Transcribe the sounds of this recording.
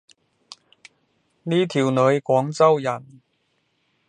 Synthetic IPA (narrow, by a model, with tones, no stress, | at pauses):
niː˥t̪ʰiː˨˩wnɵ˨˧ɥkʷɔː˨˥ŋt͡sɐ˥wjɐ˨˩n